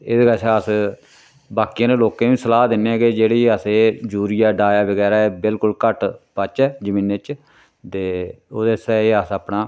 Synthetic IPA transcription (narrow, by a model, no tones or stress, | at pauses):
ɪdɡasaːs | baːkijãːneːloːkẽːʋĩːsəlaːd̪ɪnːeɡeːd͡ʒeːɽeːaːseːd͡ʒuːɾɪjaːɖaːjaːbəɡɛːɾaːɛːbɪlkʊlkəʈpət͡ʃɛːd͡ʒəmĩːnet͡ʃ | t̪eːoːd̪eːsɛːeaːsəpnaː